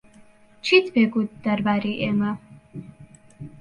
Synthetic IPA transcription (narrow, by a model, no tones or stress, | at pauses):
t͡ʃʰit̪bɛɡud̪d̪aɾbaɾiʔɛma